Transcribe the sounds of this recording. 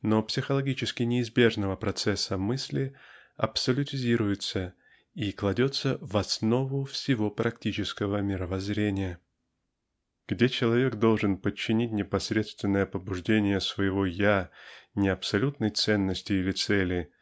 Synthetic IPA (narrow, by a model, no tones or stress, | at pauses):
nopsʲɪxəlˠɐɡʲit͡ɕɪskʲɪnʲɪːzbʲe̞ʐnəvəpɾɐt̪sɛsːəmɨsʲlʲɪɐpsəlʲʊtʲɪzʲiɾʊjʊt̪sə | iklˠɐdʲo̞t̪səvɐsno̞vʊfsʲɪvo̞pɾɐktʲit͡ɕɪskəvəmʲɪɾəvɐzɾʲenʲɪjə | ɡ̥dʲet͡ɕɪlˠɐvʲe̞ɡd̪o̞lˠʐɨnpət͡ɕːɪnʲit̚ʲnʲɪpɐsʲɾʲe̞t̪st̪vʲɪnːəjəpəbʊʐdʲenʲɪjəsvəjɪvo̞janʲɪɐpsɐlʲut̪nəjt̪sɛnːəsʲtʲɪilʲɪt̪sɛlʲɪ